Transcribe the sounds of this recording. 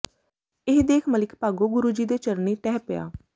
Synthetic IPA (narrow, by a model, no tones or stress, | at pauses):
ɪɦd̪eːkʰməlɪkpaːɡoːɡʊɾuːd͡ʒiːd̪eːt͡ʃəɾniːʈɛːpɪja̰ː